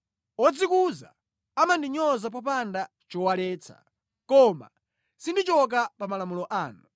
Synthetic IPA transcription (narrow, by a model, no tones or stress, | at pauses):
ɔd͡zikuza̰ | amandiɲɔzap̬ɔp̬anda | t͡ʃɔwalɛːt͡sʰa̰ | kɔma̰ | sindit͡ʃɔk̬apamalamulɔʔaːnu